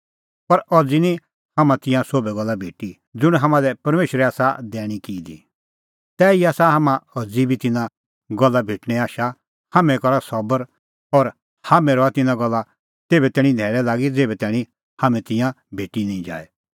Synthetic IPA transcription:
pɐɾɔd͡zinĩ | hɐmãt̪ɪ̃jãsoːbɛɡɔlːabʱeːʈi | d͡zʊɽ̃ɦɐmãd̪ɛpɐɾmeːʃɾɛaːsad̪ɛːɽ̃ikiːd̪ḭ | t̪ɛːiaːsaɦɐmãɔd͡zibʱit̪ɪnã | ɡɔlːabʱeːʈɽ̃ɛaːʃa | hamɛ̃kɔɾasɔbəɾ | ɔːɾ | haːmɛ̃ɾɔat̪ɪnãɡɔlːa | t̪eːbɛt̪ɛːɽ̃ĩd̪ʱɛːɭɛlaːɡid͡zeːbɛt̪ɛːɽ̃ĩ | hamɛ̃t̪ɪ̃jã | bʱeːʈinĩĩd͡ʒa̰ːɛ

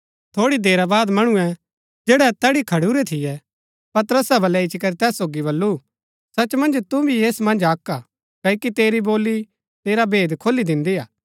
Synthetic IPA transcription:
t̪ʰoːɽid̪eːɾabaːd̪mɐɽ̃uɛ̃ | d͡ʒeːɽɛt̪ɐɽikʰɐɽuɾɛt̪ʰɪjɛ | pɐt̪əɾəsabɐlɛɪt͡ʃʰikɐɾit̪ɛːsːoːɡiβɐlːu | sɐt͡ʃmɐ̃nd͡ʒt̪ubʱijeːsmɐ̃nd͡ʒaːkːa | kɐjkit̪eːɾiboːlːi | t̪eːɾabʱeːd̪kʰoːlːid̪ɪ̃nd̪iaː

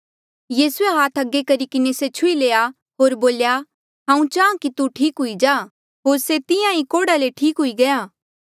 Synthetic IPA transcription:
jiːsueɦaːt̪ʰɐɡːekɐɾikɪneset͡ʃʰʊileːa | ɦoːɾboːlja | ɦãːũt͡ʃaːãkit̪uʈʰiːkɦʊid͡ʒaː | ɦoːɾset̪ɪjãikoːɽaleʈʰiːkɦʊiɡɐjaː

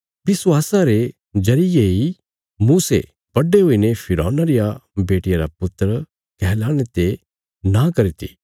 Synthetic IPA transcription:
ʋɪswaːsaɾe | d͡ʒɐɾɪjei | mũːsḛ | b̥ɐɖeɦoːinepʰɪɾɔ̰ːnaɾɪjabeːʈɪjaɾapʊt̪ːəɾ | kɛːlaːɽ̃et̪e | nakɐɾit̪ʰḭ

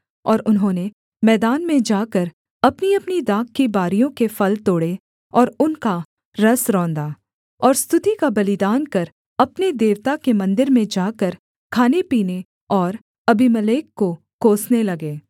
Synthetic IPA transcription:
ɔːɾʊnɦõːne | mɛːd̪aːnmẽd͡ʒaːkəɾ | ɐpniɐpnid̪aːkːibaːɾijõkefɐlt̪oːɽe | ɔːɾʊnka | ɾɐsɾɔ̃ːnd̪aː | ɔːɾst̪ʊt̪ikabɐlɪd̪aːnkɐɾ | ɐpnid̪eːʋt̪akemɐ̃nd̪ɪɾmẽd͡ʒaːkəɾ | kʰaːnepiːne | ɔːɾ | ɐbimɐleːkːo | koːsnelɐɡeː

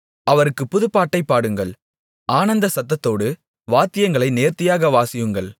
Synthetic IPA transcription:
ɐʋɐɾɯkːɯpːʊðɯpːaːʈːɐɪpːaːɽɯŋɡɐɭ | aːnɐnd̪ɐsɐt̪ːɐt̪ːoːɽɯ | ʋaːt̪ːɪjɐŋɡɐɭɐɪneːɾt̪ɪjaːɣɐʋaːsɪjɯŋɡɐɭ

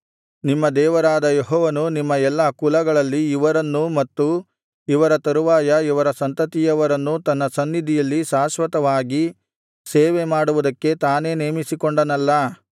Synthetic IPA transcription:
nimːɐd̪ɛːʋɐɾaːd̪ɐjeɦɔːʋɐnunimːɐɛlːɐkulɐɡɐɭɐlːiːʋɐɾɐnːumɐt̪ːu | iʋɐɾɐt̪ɐɾuʋaːjɐiʋɐɾɐsɐnt̪ɐt̪ijɐʋɐɾɐnːut̪ɐnːɐsɐnːid̪ʱijɐlːiʃaːʃʋɐt̪ɐʋaːɡi | seːʋe̞maːɽuʋud̪ɐkːe̞t̪aːne̞ːneːmisikoɳɖɐnɐlːɐ

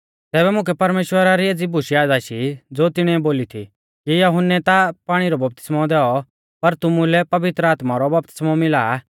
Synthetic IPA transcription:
t̪ɛːβɛmʊ̃k̬ɛpɐɾmeːʃwəɾaɾieːd͡zibʊʃiaːd͡zaʃid͡zoːt̪ɪɽ̃iɛboːlit̪ʰi | kijɐɦʊnːɛt̪apaːɽ̃iɾɔbɐp̚t̪ɪ̥smɔd̪ɛːɔ | pɐɾt̪ʊmũlɛpɐʋɪt̪ɾəaːt̪maɾɔbɐp̚t̪ɪ̥smɔmɪla

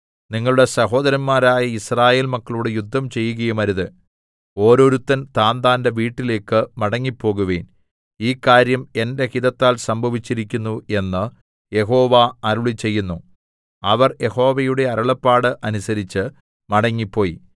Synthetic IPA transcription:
niŋːɐɭuɽe̞sɐɦo̞ːd̪ɐɾɐnmaːɾaːjɐisraːje̞ːlmɐkːɐɭuɽejud̪ʱːɐmt͡ɕe̞jːuɣɐjumɐɾuðɨ | o̞ːɾo̞ːɾut̪ːɐnt̪aːnd̪aːnde̞ʋiːʈːile̞ːkːɨmɐɽɐŋːipːo̞ːɣuʋḛːn | iːkːaːɾjɐme̞nde̞hiðɐt̪ːaːlsɐmbʱɐʋit͡ɕːiɾikʲːunːue̞nːɨ | je̞ɦo̞ːʋaɐɾuɭit͡ɕːe̞jːunːu | ɐʋɐrje̞ho̞ːʋɐjuɽe̞ɐɾɐɭɐpːaːɽɨʔɐnusɐɾit͡ɕːɨ | mɐɽɐŋːipːo̞ːji

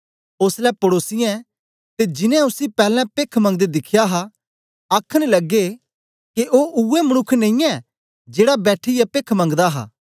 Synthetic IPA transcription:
oslɛpɐɽoːsɪjãɛ | t̪ed͡ʒɪnɛ̃ʊsipɛːlɛ̃peːkʰmɐ̃ŋɡd̪ed̪ɪkʰːjaɦa | ɐkʰəɽ̃lɐɡːe | keʔoːʔuemɐñʊkʰːnẽĩɛ | d͡ʒeːɽabɛːʈʰijapeːkʰmɐ̃ŋɡd̪aɦa̰ː

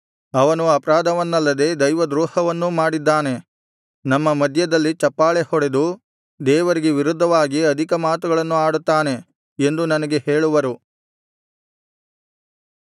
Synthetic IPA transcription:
ɐʋɐnuɐpɐɾaːd̪ɐʋɐnːɐlːɐd̪e̞ːd̪ɐjʋɐd̪ɾuːhɐʋɐnːumaːɽid̪ːaːne̞ | nɐmːɐmɐd̪ʱjɐd̪ɐlːit͡ʃɐpːaːɭehɔɽe̞d̪u | d̪ɛːʋɐɾiɡeʋiɾud̪ʱːɐʋaːɡiɐd̪ʱikɐmaːt̪uɡɐɭɐnːuaːɽut̪ːaːne̞ | end̪unɐnɐɡe̞he̞ːɭuʋɐɾu

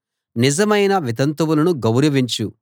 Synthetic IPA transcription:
nizɐmɐjnɐʋit̪ɐnt̪ɐʋulɐnuɡɐwɾɐʋiɲt͡ʃu

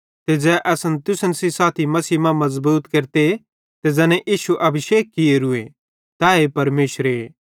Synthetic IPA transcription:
t̪ed͡zɛːʔɛːsənt̪ʊsənsisaːt̪ʰimɐsiːmãmɐzbuːt̪keɾt̪e | t̪ed͡zɛːnɛ̃ʔiːʃuʔɐbʱəʃeːkːɪeɾʊe | t̪aːepɐɾmeːʃɾe

